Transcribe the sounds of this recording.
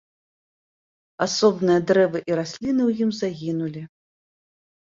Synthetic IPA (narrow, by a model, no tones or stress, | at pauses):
asɔbnɨjɐd̪ɾɛvɨʔiɾasʲlʲinɨwjimzaɣʲinulʲi